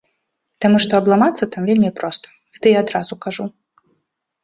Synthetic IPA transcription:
t̪amuʂt̪ɔɐblˠamat̪sːɐt̪amvʲelʲmʲipɾɔst̪ɐ̥ɣɛt̪ɨjaːd̪ɾazukaʐu

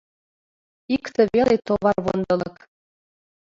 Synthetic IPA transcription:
ikt̪ɘ̆βelet̪oβɑrβo̰nd̪ɤ̆lɤ̆k

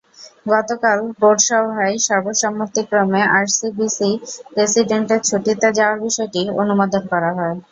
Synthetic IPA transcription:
ɡɔt̪okalboɖʃaoajʃɔɾboʃɔmːot̪ːikːɾomeʔaɾsibisipɾesiɖeɳʈeɾt͡ɕʰoʈit̪ed͡ʑaoaɾbiʃɔeʈio̰numad̪ʱonkɔɾaɦɔe

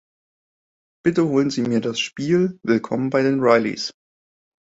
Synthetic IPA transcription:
b̥ɪtəhoːlənziːmiːɐdasʃpiːlvɪlkʰɔ̰mənbaɪdeːnʁaɪlḭs

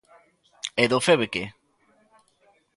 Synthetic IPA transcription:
eðofeβeke

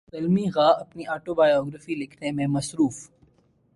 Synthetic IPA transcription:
fɪlmiɣaːɐpniʔaːʈobaːjɔːɡɾəfilɪkʰnemẽmɐsɾuːf

